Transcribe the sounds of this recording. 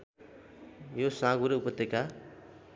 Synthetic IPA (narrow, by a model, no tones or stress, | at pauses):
josãɡuɾeupʌt̪ːeka